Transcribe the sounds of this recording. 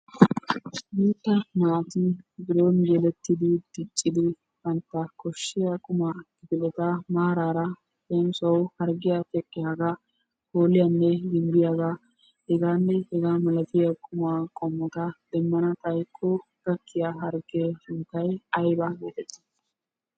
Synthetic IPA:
biːt̪ːɐmaːt̪ibɪɾoːnɡɛlɛt̪ːɪd̪ɪd̪̥ɪt͡ʃʼːɪd̪ɪ | fɐnt̪ːɐkɔʃːɪjɐkʼʊmaːɡɪbɪlɛt̪ɐmaːɾaːɾɐ | t̪ɛnsɐwhɐɾɡɪjat̪ɛkʼːɪjaːɡa | koːlɪjɐnːɛɡɪmb̪ɪjaːɡa | hɛɡaːnːɛhɛɡaːmɐlɐt̪ɪjɐkʼʊmaːkʼɔmːɔt̪ɐd̪̥ɛmːɐnɐt̪ɐjkʰːɔ | ɡ̪̥ɐkːɪjaɦɐɾɡeʊnt̪ːɐjɐjbaɡeːt̪ɛt̪ːɪ̥

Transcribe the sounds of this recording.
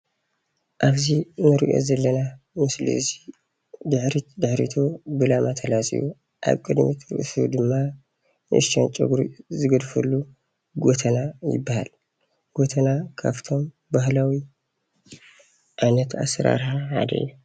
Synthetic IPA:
ʔaβzinɨɾḭʔo̞̰zɐlːɐna | mɨslḭzi | d̪ɨħɾit̪d̪ɨħɾḭt̪ʰobɨlamat̪ʰɐlasʼḭju | ʔa̰βkʼɨd̪mɨt̪ɾɨ̰ʔsṵd̪ɨmːa | nɨʔɨʃt͡ʃɐnt͡ʃʼoɡɾizɨɡɐd̪fɐlːu | ɡot̪ʰɐnajɪ̰bːaha̰l | ɡ̥ot̪ʰɐnakʰa̰βt̪ʰo̞m | bahlawi | ʔajnɐt̪a̰sɐɾa̰ɾhaħa̰d̪ɐ̰ʔiju

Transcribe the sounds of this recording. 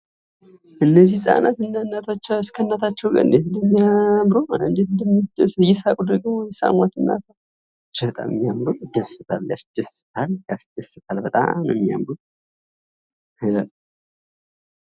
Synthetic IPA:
ʔɨnːəzːihsʼa̰nat̪ɨnːanːat̪ʰat͡ʃːaɨskʰənːat̪ʰat͡ʃːɛwkʼə̰nd̪et̪ɨnəmːijamɾoandand̪et̪ɨd̪md̪sjɪsakʼud̪əɡmojɛsa̰mat̪ɨnːa̰t̪ʰa | d͡ʒət̪ʼa̰mə̰mːijamɾod̪əsɨt̪ʰa̰lja̰sd̪̥əsɨ̥tʰaljasd̪̥əsɨt̪ʰalbət̪ʼa̰mnɛmːija̰mɾu | ɨlal

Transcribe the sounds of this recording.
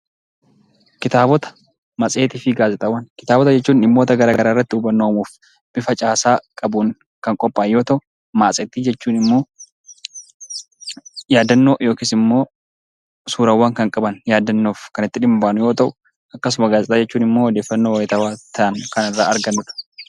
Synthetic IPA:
kɪt̪aːbɔt̪ɐ̥ | mɐsʼe̞ːt̪ɪfɪɡaːzɛt̪ʼɐwɐnkɪ̥t̪aːbɔt̪̬ɐd͡ʒɛt͡ʃːuːnɪmːo̞ːt̪ɐɡɐɾaːɾaːɪrːɐt̪ːɪuːbɐnːo̞ːmuːf | b̥ɪfɐt͡ʃʼaːsaːkʼɐbuːn | kɐŋkʼɔpʼːaːnjoːt̪ɐʔʊ | maːsʼɛt̪ːiːd͡ʒɛt͡ʃːuːnɪmːo̞ː | jaːd̪ːɐnːo̞ːjo̞ːkiːsɪmːo̞ː | suːɾɐwːaːŋkɐŋkʼɐbɐnjaːd̪ɐnːoːfkɐnɪt̪ːɪᶑɪmbaːnʊjo̞ːt̪ɐʔʊ | ɐkːɐs̬ʊmɐɡaːzɛt̪aːd͡ʒɛt͡ʃːuːnɪmːoːwɔd̪eːfːɐnːoːwɐjɪt̪ɐwaːt̪ʰɐʔɐnkɐnɪrːaːɐɾɡɐnːʊᶑɐ̥

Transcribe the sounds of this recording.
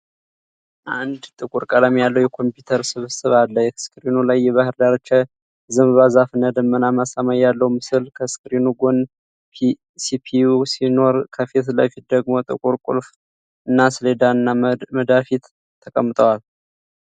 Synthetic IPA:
ʔand̪t̪ʼɨkʼuɾkʼələmjalːəwjɛkʰo̞mpjut̪ʰəɾsɨβsɨβalːəjskʼɨɾinulajːɛβahɨɾd̪aɾot͡ʃːɛ | zɨmβazafɨnːad̪əmːənamasamajːalːəwumɨsɨlkʰəskʼɨɾinuɡo̞n | sipʰiusino̞ɾkʰəfet̪ləfit̪̚d̪əɡmo̞t̪ʼɨ̰kʼuɾkʷʼṵlf | ɨnːasɨled̪aɨnːaməd̪afit̪ʰː | əkʼəmːɨt̪ʰʼəwal

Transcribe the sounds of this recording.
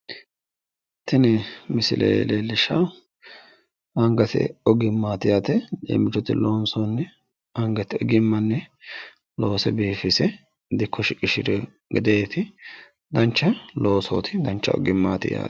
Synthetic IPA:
t̪ɪnɛmɪsɪ̰lʔḛːlelːɪʃɐ | ɐŋɡɐt̪ɪ̰ɔɡɪmːaːt̪ɪjaːt̪ɛlḛːmɪt͡ʃːɔt̪ɪloːnsoːnːɛ | ɐŋɡɐt̪ɪɔɡɪmːɐnːɛ | lo̞ːsɛbiːfɪsɛ | d̪ɪkʰːɔʃɪkʼɪʃɪɾɛ | ɡɪd̪eːt̪ɪ | d̪ɐnt͡ʃːɐlo̞ːso̰ːt̪ʰɪd̪ɐnt͡ʃːɐ̰ɔ̰ɡɪmːaːt̪ɪ̰ja̰ːt̪

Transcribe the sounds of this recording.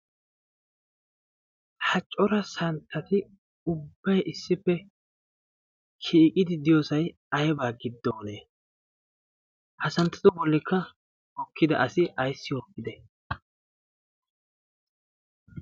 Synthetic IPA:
hɐt͡ʃʼːɔɾɐsɐnt̪ʰːɐt̪ɪ | ʊbːɐjʔɪsːɪpːɛ | kʰiːkʼɪd̪ɪd̪ɪjoːsɐj | ɐjɛbaːɡɪd̪ːo̞ːneː | hɐsɐnt̪ːɐd̪ɔbɔlːɪkʰːɐ | ɔkʰːɪd̪ɐ̰ʔɐsɪʔɐjsːɪjɔkːɪd̪ɛ

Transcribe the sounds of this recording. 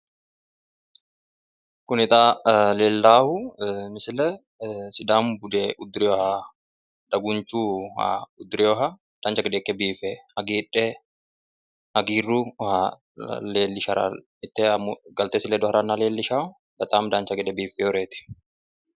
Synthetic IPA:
kʊnɪt̪ʼaːleːlːaːhʊmɪsɪlɛ | sɪd̪aːmbʊd̪ɛʊd̪ɾɛɔɐ | ᶑ̪ɐɡʊnt͡ʃuːa̰ʊd̪ɾɛɔɦɐ | d̪̥aːnt͡ʃɐɡɛd̪ɛkːɛbiːfɛɐɡiːᶑːɛ | hɐɡiːrːuɔha | leːlːɪʃɐɾa̰ | ɪt̪ːɛɐmɡɐlt̪eːsɪlɛd̪ɔɐɾɐnːaleːlːɪʃaːʊ | bɐt̪ʼaːmd̪aːnt͡ʃɐɡɛd̪ɛbiːfɛjɔɾeːt̪ɪ̥

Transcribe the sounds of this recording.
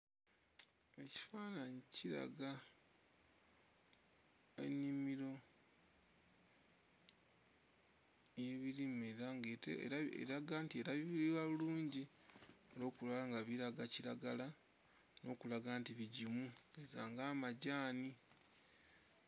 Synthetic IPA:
e̞ci̥faːnaɲiciɾa̰ɡa | e̞̰nːimiɾo̞ | jeβiɾimeɾaŋɡetḛaḛɾaɡaːntie̞ɾaβiβiiwaβuluːɲɟi | olo̞ːkulalaŋɡaβiɾaɡaciɾaɡala | no̞ːkulaɡaːntiβiɟimuezaŋɡaːmaɟaːni

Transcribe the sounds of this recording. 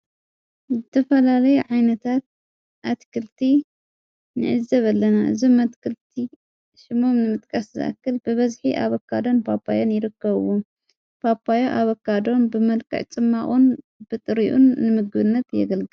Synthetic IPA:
zɨt̪ʰɐfɐlalɐjuʕajnɐt̪ʰat̪̚ | ʔat̪kʰɨlt̪ʰi | nɨ̰ʕɨzːɐβɐlːɐnaʔɨ̰zumat̪kʰɨlt̪ʰi | ʃɪmo̞mnɨmɨt̪ʼkʼɐszɨ̰ʔa̰kːɨlbɨβɐzħiʔaβɐkːad̪o̞npʰapʰʼːa̰jonjɪɾɨkːɐβɨwo | pʰapʰʼːajoʔaβɐkːad̪o̞nbɨmɐlkʰʼɐ̰ʕt͡sʼɨmːaχʼun | b̥ɨt̪ʼɨɾiʔunːɨmɨɡɨβɨnːɐt̪jɛ̰ɡɐlɡɨ

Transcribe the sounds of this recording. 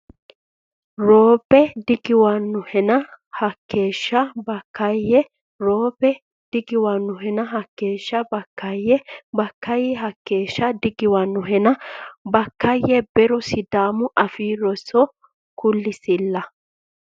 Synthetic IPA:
ɾoːbɛd̪ɪɡɪwɐnːʊhɛnɐhɐkːeːʃːɐbɐkːɐjɛ | ɾoːbɛ | d̪̥ɪɡɪwanːʊɦɛnɐɦɐkːeːʃːɐbɐkːɐjːɛbɐkːɐjɛɦɐkːe̞ːʃːɐd̪ɪɡɪwɐnːʊɦɛnɐbɐkːɐjɛbɛɾɔsɪd̪aːmʊʔɐfiːɾɔsɔ | kʊlːɪsɪlːɐ

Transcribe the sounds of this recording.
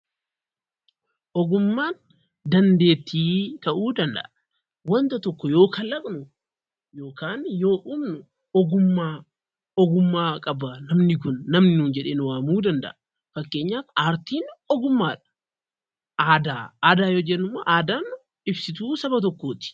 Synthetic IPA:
ʔɔɡʊmːaːn | d̪ɐnd̪e̞ːt̪ːiːt̪ɐʔuːd̪ɐnd̪ɐ̰ʔɐ | wɐnt̪ɐt̪ɔkːɔjo̞ːkʰɐlːɐkʼnʊ | joːkaːnjo̞ːʔʊbnʊ | ɔɡʊmːaː | ɔɡʊmːaːkʼɐbɐnɐmnɪkʊnːɐmnɪnuːnd͡ʒɛᶑeːnʊwaːmuːd̪ɐnd̪ɐ̰ʔɐ | fɐkːe̞ːɲːaːt̪aːɾt̪iːnɔɡʊmːaːᶑɐ̥ | ʔaːd̪aːaːd̪aːjoːd͡ʒɛnːʊmːoːʔaːd̪aːn | ɪbsɪt̪uːsɐbɐt̪̬ɔkːoːt̪ɪ̥

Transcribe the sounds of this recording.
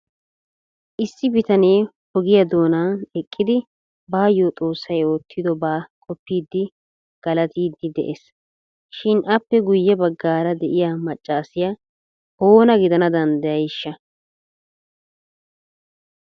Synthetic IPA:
ʔɪsːɪbɪt̪ɐne̞ː | hɔɡɪjɐd̪o̞ːnaːnɛkʼːɪd̪ɪ | baːjːot̪ʼo̞ːsːɐjo̞ːt̪ʰːɪd̪ɔbaːkʼɔpːiːd̪ːɪ | ɡ̥ɐlɐt̪iːd̪ːɪd̪ɛ̰ʔes | ʃɪnʔɐpːɛɡʊjːɛbɐɡːaːɾɐd̪ɛʔɪjamɐt͡ʃʼːaːsɪjɐ | ho̞ːnɐɡɪd̪ɐnɐd̪ɐnd̪ɐjɐjɪʃːɐ

